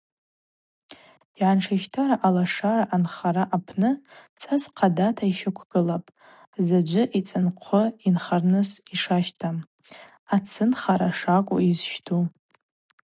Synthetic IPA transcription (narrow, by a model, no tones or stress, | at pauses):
iʕanʂʰaʃtʰaɾaʔalaʂaɾaʔanχaɾaʔapʰnɨt͡sʼazqʰadatʰaiʃakʷʰɡ̥ɨlapʼ | zad͡ʒʷɨʔit͡sʼɨnqʷʰʊinχarnɨsiʂaʃtʰam | at͡sʰɨnχaɾaʂakʷʼʊ̰izʃtʰu